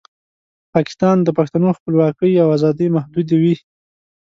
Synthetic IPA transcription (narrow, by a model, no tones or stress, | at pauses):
pɑkɪ̥st̪ɑnd̪əpaxt̪anoxpəlwɑkəjawazɑd̪əjmahd̪ud̪ewi